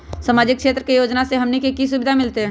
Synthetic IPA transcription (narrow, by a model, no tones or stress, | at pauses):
samaːd͡ʒɪk̚kʃeːt̪ɾəkejoːd͡ʒnaseɦɐmnikekis̬ʊbɪd̪ʱamɪlt̪eɦɛː